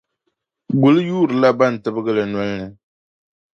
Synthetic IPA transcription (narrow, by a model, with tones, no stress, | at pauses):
ɡʊ˨lɨ˦juː˦ɾɨ˨la˦ba˦˨n̩˨tɨ˦bɨ˦ɡɨ˦lɨ˨nwa˦lnɨ˨